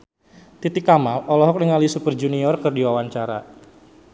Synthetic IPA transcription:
t̪it̪ikamalɔlɔɦɔk̚nəŋalisupərd͡ʒuniɔrkərdiwawaɲt͡ʃaɾa̰

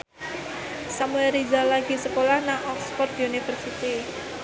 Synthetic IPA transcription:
samuɛɾizalaɡ̥i̤səkolahnaʔɔksfɔrd̪iunifərsit̪i

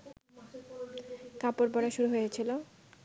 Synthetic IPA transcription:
kapoɾbɔɽaʃuɾuɦojet͡ɕʰilo

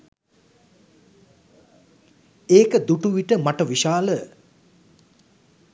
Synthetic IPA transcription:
eːkəd̪uʈuʋiʈəmaʈəʋiʃaːlə

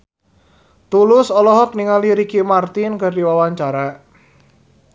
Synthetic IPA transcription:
t̪ulʊsɔlɔɦɔk̚niŋaliɾikimart̪ɪnkardiwawaɲt͡ʃaɾa

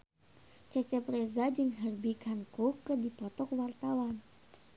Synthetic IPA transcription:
t͡ʃɛt͡ʃɛpɾɛzad͡ʒɨŋɦərbikaŋkokərdipɔt̪ɔkwart̪awan

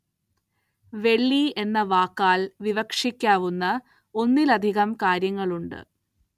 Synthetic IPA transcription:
ʋe̞ɭːie̞nːɐʋaːkːaːlʋiʋɐkʂikʲːaːʋunːɐ | o̞nːilɐd̪ʱiɣɐmkaːɾjɐŋːɐɭuɳɖɨ̰

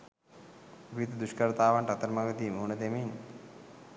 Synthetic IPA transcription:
ʋit̪əd̪uʃkəɾət̪aːʋaɳʈat̪əɾmaɡət̪iːmuunəd̪emin

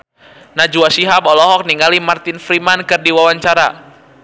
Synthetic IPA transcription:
nad͡ʒuasiɦabɔlɔɦɔk̚niŋɡalimart̪ɪnfɾimankɨrdiwawaɲt͡ʃaɾa

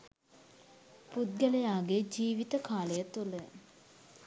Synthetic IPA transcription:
put̪̚ɡəlejaːɡed͡ʒiːʋit̪əkaːləjət̪ulə

